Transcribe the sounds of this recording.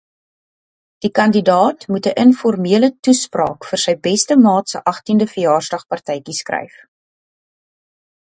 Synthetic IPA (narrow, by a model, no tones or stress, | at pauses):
d̥ikɐndidɑːtmutəʔənfɔrmiələtusprɑ̰ːkfərsəjbɛstəmɑːtsəʔɐχtindəfəjɑːrzdɐχpɐrtɛjkiskrɛ̰jf